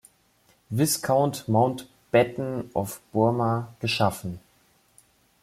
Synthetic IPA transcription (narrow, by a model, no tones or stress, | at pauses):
vɪskʰaʊntmaʊnt | b̥ɛtn̩ʔɔfb̥ʊɐmaɡ̥əʃafn̩